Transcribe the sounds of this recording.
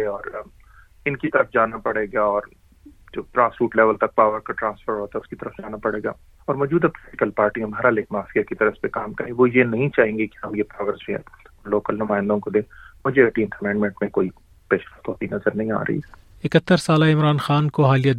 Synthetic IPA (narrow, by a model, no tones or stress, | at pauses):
eɔːɾ | ɪnkit̪ɐɾəfd͡ʒaːnapɐɽeːɡaɔːɾ | d͡ʒoːʈɾãːsfuːʈleːʋəlt̪ɐk̚paːʋəɾkaʈɾãːnsfəɾɦoːt̪aɛʊskit̪ɐɾəfd͡ʒaːnapɐɽeːɡa̰ː | ɔːɾmɔːd͡ʒuːd̪ɛpɔlɪʈɪkəlpaːɾʈiɦɐmaːɾaleːkmaːfiakit̪ɐɾəfpekaːmkɐɾẽɡʋojenɐɦĩt͡ʃaːɦẽːŋɡekiɦɐmjepɾaːʋəɾsd͡ʒẽɛ̰̃loːkəlnʊmaːɪ̃nd̪õkod̪ẽːmʊd͡ʒʱeɐʈĩːnʈ̪ʰɐmɛ̃ːɳɖmɛ̃ɳʈmẽkoːi | peːʃlat̪ɔːt̪inɐzəɾnɐɦĩa̰ːɾɐ̰ɦḭ | ɪkət̪ːəɾsaːlaɪmɾaːnxaːnkoɦaːlija